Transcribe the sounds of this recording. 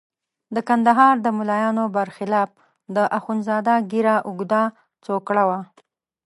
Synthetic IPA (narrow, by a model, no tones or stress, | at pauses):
d̪əkand̪aɦɑɾd̪əmulɑjɑnobaɾxɪlɑp̚ | d̪əʔaxunzɑd̪aɡiɾaʔʊɡd̪a | t͡sokɽawa